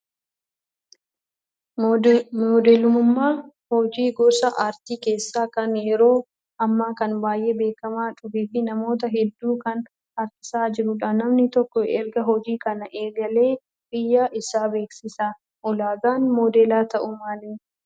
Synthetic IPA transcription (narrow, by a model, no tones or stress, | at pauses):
mːd̪ɛlʊmʊmːaː | hɔd͡ʒiːɡɔsɐʔaːɾt̪iːke̞ːsːaːkɐnjɛɾo̞ː | ʔɐmːaːkɐnbaːjʔe̞ːbe̞ːkɐmaːt͡ʃʼʊfeːfɪnɐmo̞ːt̪̬ɐɦɛd̪ːuːkɐn | ɐɾtɪ̥saːd͡ʒɪɾʊᶑaːnɐmnɪt̪ɔkːɔɛɾɡɐɦɔd͡ʒiːkɐnɐʔeːɡɐle̞ː | bɪjːaːʔɪsaːbe̞ːksɪsaː | ʔɔlaːɡaːnmoːd̪eːlaːt̪ɐʔʊmaːlɪ